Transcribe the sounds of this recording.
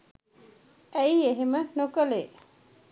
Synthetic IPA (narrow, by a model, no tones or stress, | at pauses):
æjeɦemənokəleː